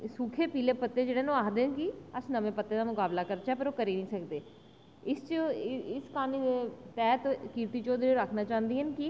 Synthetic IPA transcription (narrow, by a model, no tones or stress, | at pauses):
suːkʰeːpiːleːpət̪ːeːd͡ʒeːɽeːnõaːkd̪eːnkɪəsnəʋẽːpət̪ːeːd̪aːmʊkaːblaːkəɾt͡ʃɛːpəɾoːkəɾiːnĩːsəkd̪eː | ɪst͡ʃɪskaːnid̪et̪ɛːt̪kiːɾt̪iːt͡ʃoːd̪ɾeɾəkʰnaːt͡ʃãːnd̪iːɦənkɪ